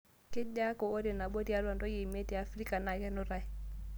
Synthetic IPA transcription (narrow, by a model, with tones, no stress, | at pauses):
ke˦ɟa˦ko˨o˦de˨na˨bo˦ti˦a˦la˨ndo˦je˨me˦ti˨a˨fɾi˦ka˨na˨ɡɛ˦no˦ɾa˨j